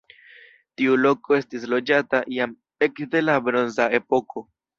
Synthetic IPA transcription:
tiulo̞ko̞e̞stislo̞d͡ʒataʔiam | e̞kde̞labɾo̞nzae̞po̞kʰo̞

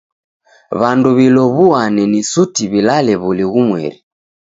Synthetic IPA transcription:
βanduβilɔβuanɛnisutiβilalɛβuliɣumwɛ̰ɾi

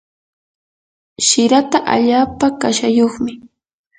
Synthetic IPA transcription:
ʃɪɾat̪aʔa̰ʎaːpakaʃajoχmɪ

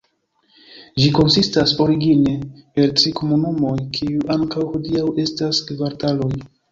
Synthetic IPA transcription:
d͡ʒiko̞nsistaso̞ɾiɡinepe̞ltɾiko̞munumo̞jkʰiuʔaŋkawhodiawe̞staskvaɾtalo̞j

